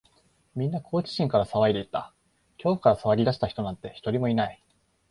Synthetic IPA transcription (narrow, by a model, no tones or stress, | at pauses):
mʲĩnːakʰo̞ːt͡ɕi̥ɕĩŋkaɾasaβaid̪e̞it̪ːa̰ | kʲo̞ːɸɯ̟kaɾasaβaɾʲid̪aɕi̥t̪açi̥t̪o̞nãnt̪ːe̞çi̥t̪o̞ɾʲimo̞inai